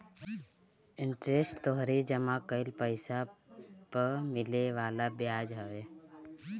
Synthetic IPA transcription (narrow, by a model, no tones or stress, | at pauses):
ɪɳʈɾesʈt̪oɦɾid͡ʒəmãkəɪlpəɪsapəɾmɪleʋaːlabjaːd͡ʒɦəʋeː